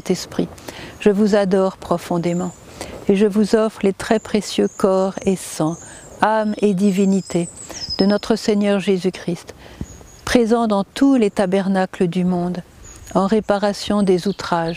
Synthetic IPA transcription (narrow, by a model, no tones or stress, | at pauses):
t̪ɛspχiʒ̥əvuzad̪ɔʁpχɔfɔ̃d̪emɑ̃ | eʒəvuzɔfʁəlet̪χɛpχesjøkɔʁesɑ̃ | amed̪ivinit̪ed̪̥ənɔt̪χəseɲœʁʒezykχist̪ | pχezɑ̃d̪ɑ̃t̪ʰulet̪abɛʁnakləd̪ymɔ̃d̪ | ɑ̃ʁepaʁasjɔ̃d̪ezut̪χaʒ